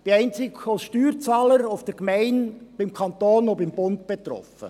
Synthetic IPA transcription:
b̥iɛɪnt͡sɪkosʃtyːɾt͡sɑːləɾoʊfd̥əɾkmɛɪnb̥ɪmkʰɑnt̪oːnobɪmb̥ʊntb̥et̪ɾɔ̰fə̰

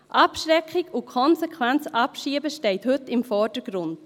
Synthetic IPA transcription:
ʔɑpʃɾɛkχɪkukʰɔnsɛkʰwɛnt͡sʔɑpʃiəbəʃteɪthɵtɪmfɔɾd̥əɡ̥ɾʊnd̥

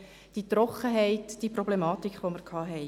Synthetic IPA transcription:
d̥it̪rɾɔχəɦɛɪtd̥ipɾɔblemɑːtikʰχʋoməɾkʰɑːɦɛɪ

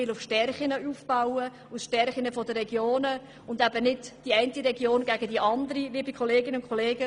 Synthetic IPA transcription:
ɪlʊfʃtɛrχɪnəuːfb̥aʊə | ʊsʃtɛɾχɪnəfɔdəɾɛɡjoːnə | ʊnd̪æbənɪdd̥iɛɪntiɾɛɡjoːnɡ̥æɡ̥ədiʔɑnd̪əɾiliːbikʰɔleːɡɪnəʊnkχoleːɡə

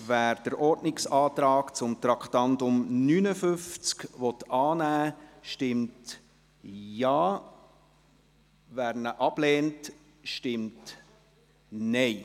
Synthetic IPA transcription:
væːɾd̥əɾʔɔɾdnɪksɑːtɾɑːkt͡sʊmt̪ɾɑkχtɑntʊmnyːnəfʏft͡skʋɔtɑːnæːʃtɪmt | jɑː | væːɾnəʔɑb̥lɛːnt | ʃtɪmt | nɛɪ

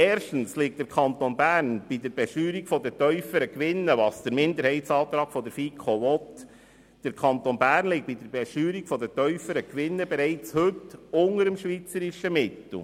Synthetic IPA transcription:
ɛːrʃtən̩slɪk̚td̥̪əɾkʰɑnt̪onbæːɾnb̥idəɾb̥ɛʃyːɾikfɔdətœʏfəɾəkʋɪnːəʋɑːsd̥əɾmɪndəɾhɛɪtsɑːt̪ɾɑːɡ̥fɔdəɾfikʰχoʋɔt | d̥əɾkʰɑnt̪onbæːrnlɪkt̚id̥əɾbɛʃyːɾikfɔdətœʏfəɾəkʋɪnːəbɛɾɛɪt͡shɵtʊŋəɾəmʃʋit͡səɾiʃəmɪtl̩

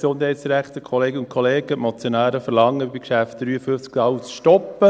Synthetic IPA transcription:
sʊndhɛjtsɾæχt̪əkʰχɔleːɡənʊn̚kʰoleːɡəmɔt͡sjɔnæːɾəfəɾlɑŋːəbikʃæft̚d̥̪ɾyːəfʏft͡sktɑwt͡sʃtɔpːə

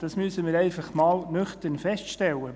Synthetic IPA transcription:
d̥ɑsmysəmiːɾɛɪfɑχmɑːlnøχt̪ənfɛstʃtɛlːə

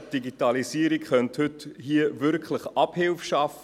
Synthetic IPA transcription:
d̥iɡitɑlisiəɾikχœnthʏthiəvʏɾkχləχɑphɪlfʃɑf

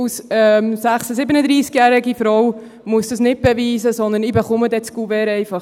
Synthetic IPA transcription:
sɛmsæχsəsɪbənəd̪ɾiːskjæːɾɪɡifɾɔw | muəsd̪ɑsnɪt̚b̥ɛʋiːzəsɔnd̪ənibɛχʊmədɛt͡skuvɛːɾɛɪfɑχ

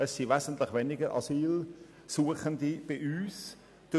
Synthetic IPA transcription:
əsːivɛzən̩tlɪχʋɛnɪɡəɾʔɑ̰siːl | suəχəndib̥ɪʔyːs | d̥ə

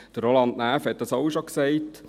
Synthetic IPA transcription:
d̪̥əɾolɑndnæːfhɛt̚d̥ɑsɔwʃoksɛɪt

